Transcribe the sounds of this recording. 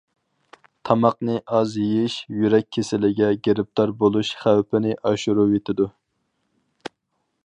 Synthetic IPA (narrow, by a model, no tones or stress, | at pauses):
t̪ʰɑmɑqnɨʔɑzjejiʃjyɾɛk̚ʲʰːesɪlɪɡʲɛɡʲeɾɪp̚t̪ʰɑɾbolˠuʃχæwpʰɪnɪʔɑʃuɾuwet̪ʰɪd̪u